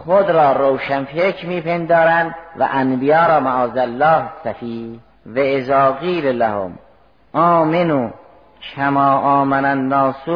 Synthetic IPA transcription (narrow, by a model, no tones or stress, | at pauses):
χod̪ɾɒːɾowʃænfekʰmiːpʰend̪ɒːɾænd̪væ̰ʔænbijɑːɾɑːmaʔɑːzælːɑːhsæfiː | vaezɑːɣiːllæho̰m | ʔɑːmenuː | kʰæmɑːʔɑːmænænːɑːsu